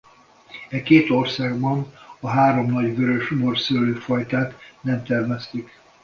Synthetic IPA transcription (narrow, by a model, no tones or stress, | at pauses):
ɛkeːt̪o̞rsaːɡbɒnɒɦaːɾo̞mnɒɟvøɾøʃmorsøløːfɒjt̪aːt̪nɛmt̪ɛrmɛst̪ik